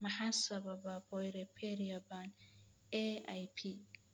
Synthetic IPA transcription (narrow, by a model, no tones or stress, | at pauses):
maħasabababɔjɾepʰeɾiabanea̰jpʰi